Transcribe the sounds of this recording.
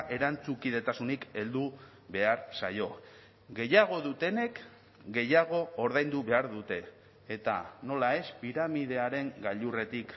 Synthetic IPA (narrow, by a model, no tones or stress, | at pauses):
ʔe̞ɾant͡sukið̞e̞t̪asunike̞ld̪u | βe̞aɾsa̰jo̞ | ɣe̞jaɣ̞o̞ðut̪e̞ne̞k | ɡe̞jaɣ̞o̞ːɾðajnd̪uβe̞aɾðut̪e̞ː | t̪a̰no̞lae̞spiɾamið̞e̞aɾe̞ŋɡaʎure̞t̪ik